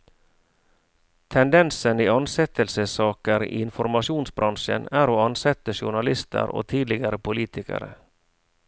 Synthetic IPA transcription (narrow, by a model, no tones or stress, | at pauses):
t̪ʰɛnd̪ɛnsəniːɑnsɛt̪əlsəsɑːkəɾḭːɪnfɔɾmɑʂuːnsbɾɑnʂə̰næːɾoːɑnsɛt̪ːəʂʊɳɑlɪst̪ʰə̰ɾo̰ːt̪ʰiːd̪lɪɡɑɾəpʰʊliːt̪ʰɪkə̰ɾə̰